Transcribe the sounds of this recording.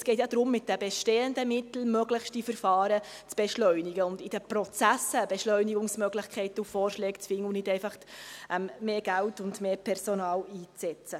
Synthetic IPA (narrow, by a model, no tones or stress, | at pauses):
sɡ̥ɛɪtjɑd̪ɾʊmːɪt̚d̥əbɛʃteːəndəmɪtl̩møɡlɪχʃtifəɾfɑːɾət͡sb̥ɛʃlœɥnɪɡəʊndɪd̥əprɔt͡sæsəb̥ɛʃlœʏniɡʊŋsmœɡlɪxkʰɛɪtəufɔːrʃlɛːkt͡sfɪŋːəunɪdɛɪfɑχtʔɛmːeːɡ̥æltʊndmeːpʰɛɾsonɑːliːt͡sɛt͡sə